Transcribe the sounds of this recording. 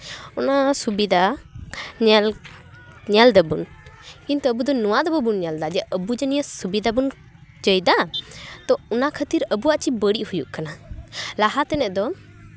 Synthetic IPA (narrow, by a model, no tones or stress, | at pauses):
ɔnasubid̪a | ɲɛl | ɲald̪əbun | kint̪uəbud̪ɔnɔwad̪ɔbəbunɲald̪ad͡ʒɛʔəbud͡ʒɛnijəsubid̪abun | d͡ʒəjd̪at̪ɔɔnakʰət̪iɾəbuwaʔt͡ʃibəɽiʔhujuʔkanalaɦat̪ɛnɛʔd̪ɔ